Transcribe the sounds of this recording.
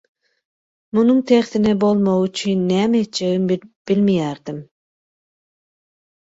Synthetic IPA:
munuŋt̪ʰeχθinɛbolˠmowyt͡ʃʰynːæːmet̪̚t͡ʃeɣimb̥ilmijæɾd̪im

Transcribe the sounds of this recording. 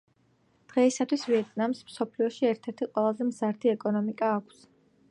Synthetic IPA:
d̪̥ʁɛisat̪ʰwisviɛt̪ʼnamsmsɔpʰliɔʃiɛɾt̪ʰɛɾt̪ʰiqʼwɛlˠazɛmzaɾt̪ʰiɛkʼɔnɔmikʼaːkʷʰs

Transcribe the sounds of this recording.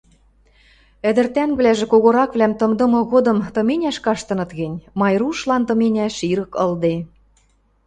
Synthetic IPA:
ɘ̆d̪ɘ̆rt̪ænβlæʒĕkoɣoɾɑkβlæmt̪ɤ̆md̪ɤ̆mɤ̆ɣod̪ɤ̆mt̪ɤ̆menʲæʃkɑʃt̪ɤ̆nɤ̆t̪ɣɘ̆nʲmɑjɾuʃlɑnt̪ɤ̆menʲæʃiɾɤ̆kɤ̆ld̪e

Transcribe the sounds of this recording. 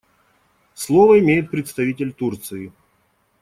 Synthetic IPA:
slˠovəɪmʲejɪt̪̚pɾʲɪt̪st̪ɐvʲitʲɪlʲt̪urt̪sɨɪ

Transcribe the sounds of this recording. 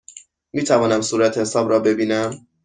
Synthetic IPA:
miːt̪ʰævɒːnæmsuːɾæt̪ʰehesɒːbɾɒːbe̞biːnæm

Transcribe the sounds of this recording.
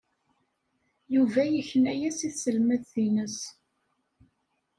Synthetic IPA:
juvæjəçənæjæsiθsəlmæðθinəs

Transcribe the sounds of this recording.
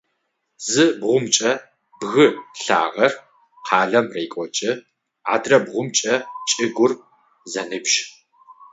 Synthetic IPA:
zɨbʁʷʊmt͡ʃʼɐ | b̥ɣɨɬa̰ːʁɐr | qʰɑːɮɐmreːkʷʼɔt͡ʃʼɪ | a̰ːdrɐbʁʷʊmt͡ʃʼɐt͡ʃʼɪɡʷʊr | zɐnɨbʃ

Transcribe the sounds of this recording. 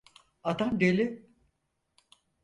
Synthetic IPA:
at̪amd̪elʲɪ

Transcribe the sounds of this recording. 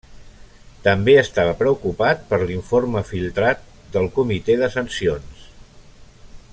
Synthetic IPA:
t̪əmbeəst̪aβəpɾəukupat̪̚pəɾliɱfoɾməfilˠt̪ɾat̪̚ | d̪əlˠkumit̪eðəsənsions

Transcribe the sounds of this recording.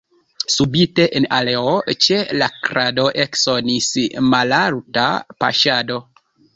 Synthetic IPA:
subiteʔenaleot͡ʃelakɾado̞ʔeksonismalaɾta̰pa̰ʃado̞

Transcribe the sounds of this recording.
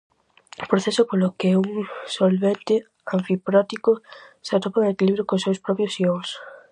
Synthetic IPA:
pɾoθesopolokeuŋsolβent̪ɪ | aɱfipɾɔt̪ikʊsat̪opaŋekiliβɾjokõsːewspɾɔpjosioŋs

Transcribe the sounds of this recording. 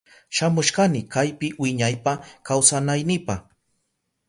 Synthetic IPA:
ʃamʊʃɢanɪkajpɪwɪɲajpakawsanajnɪpaχ

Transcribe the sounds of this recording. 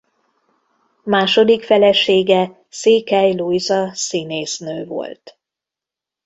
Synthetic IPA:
maːʃo̞d̪ikfɛlɛʃeːɡɛ | seːkɛjlujzɒsineːsnøːvo̞̰lt̪

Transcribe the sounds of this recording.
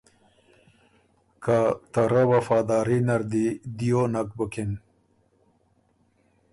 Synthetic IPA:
kat̪ɐɾɐwɐfaːd̪aːɾinɐɾd̪id̪ijonɐk̚bəkin

